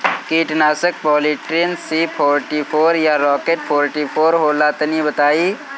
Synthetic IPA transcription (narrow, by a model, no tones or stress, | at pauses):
kiːʈnaːsək̚bɔːliʈɾiənsiːpʰɔːɾʈipʰoːɾjaɾɔːkeʈ̚pʰoːɾʈipʰoːɾɦoːlaːt̪ənibət̪aːiː